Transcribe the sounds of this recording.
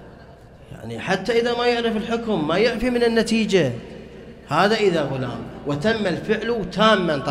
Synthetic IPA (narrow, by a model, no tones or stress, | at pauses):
ja̰ʕniħat̪ːaʔɪðamajʊʕɾɪfɪlħʊkʊmːajɪʕfimɪnɪnːat̪iːd͡ʒa | haːðaʔɪðaɣʊla̰ːmwɪt̪amːalfɪʕlt̪aːmːant̪ˤ